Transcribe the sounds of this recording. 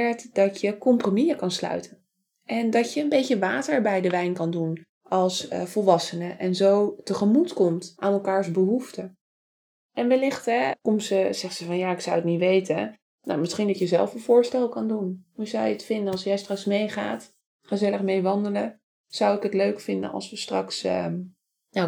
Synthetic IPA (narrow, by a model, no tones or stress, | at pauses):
ɛɹtdɑtjəkɔmpromiəkɑnslœ̰ɥtʰən | ɛndɑtjəənbejcəʋaːtəɹbɛjdəʋɛjnkɑndun | ʔɑlˠsvɔlˠʋɑsənəʔɛnzowtəχəmutkɔmtʔaːnɛlˠkaːɹzbəɦuftə | ɛnʋɛlɪχtɦɛkɔmsəz̥ɛχsəvɑnjaːɪksʌwətnitʋejtə | na̰wmɪsχindɑtjəzɛlˠfənv̥ʊːɹstɛlˠkɑndunɦuzawjəətfɪndənɑlˠsjɛjstrɑksmejχa̰ːt | χəzɛləχmejʋɑndələ | z̥ʌwɪkətløɥkfɪndə̰nɑ̰lˠsʋəstrɑks | na